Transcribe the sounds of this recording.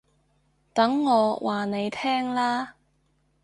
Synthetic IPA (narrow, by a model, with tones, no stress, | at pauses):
t̪ɐ˨˥ŋːɔː˨˧wʔaː˨˩ne˨˧jt̪ʰɛː˥ŋlaː˥